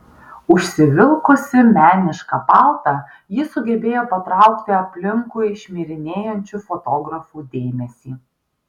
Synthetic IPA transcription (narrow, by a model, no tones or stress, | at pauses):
ʊʃʲsʲɪʋʲɪlˠkʊsʲɪmʲæːnʲɪʃkɐpɑˑlˠt̪ɐ | jɪsʊɡʲɛbʲeːjoːpɐt̪ɾɑˑʊkt̪ʲɪɐpʲlʲɪŋkʊɪʃʲmʲiːɾʲɪnʲeːjɛnʲt͡ʃʲufɔt̪oːɡɾɐfuːd̪ʲeːmʲɛsʲiː